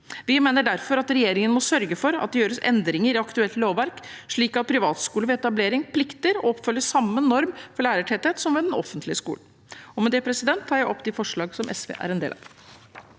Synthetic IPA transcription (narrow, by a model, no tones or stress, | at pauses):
ʋɪmeːnəɖæɾfɔɾɑt̪ɾɛjeːɾɪŋənmɔsœɾɡəfɔɾɑ̰t̪̚d̪ɛjøːɾəsɛ̰nd̪ɾɪŋəɾɪɑkt̪ʉɛlt̪loːʋʋæɾkʂɭiːkɑt̪̚pʰɾɪʋɑːt̪skuːləʋɛɛt̪ɑbleːɾɪŋpʰlɪkt̪əɾɔ̰ɔpːfœlːəsɑmːənːɔɾmfɔɭæːɾəʈʰɛt̪ɛt̪sɔmʋɛd̪ɛnɔ̰fənt̪lɪəskṵːlə | ɔmɛd̪ɛpʰɾɛsɪd̪ɛnt̪ʰːɑːɾjæɪʔɔpːd̪ɪfɔʂɭɑːɡsɔmʔɛ̰sʋḛːʔæ̰ɾɛnd̪ḛːlɑ̰ʋ